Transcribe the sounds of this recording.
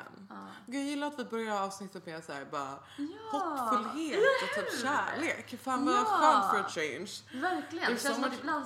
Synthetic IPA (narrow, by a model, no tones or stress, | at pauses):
n | ɡʉjɪlːaɾat̪vɪbœɾjaɾɑːvsnɪt̪ʰːət̪mɛsæ̰ːɾbɑːɾa̰ | hɔʈfɵlːɦeːt̪ɔt̪ʰːiːæːɭeːkfanvafœnfɔɾt͡ʃẽɪnʃvæɾklɪɪsɔ